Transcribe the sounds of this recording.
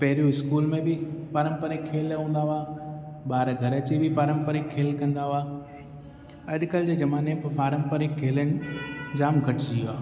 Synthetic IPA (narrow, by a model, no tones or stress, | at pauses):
pɐɦɾijũɪskuːlmẽbɪpaːɾə̃mpəɾɪkʰːeːlɦũːnd̪aɦaː | ɓaːɾɡʱɐɾɐt͡ɕebʱɪpaːɾə̃mpəɾɪkʰːeːlkɐ̃nd̪aɦʊaː | ɐɗkəld͡ʑeːd͡ʑɐmaːnepɐɾpaːɾə̃mpəɾɪkʰːeːləñ̆d͡ʑaːmɡʱɐʈʰɪd͡ʑiːaː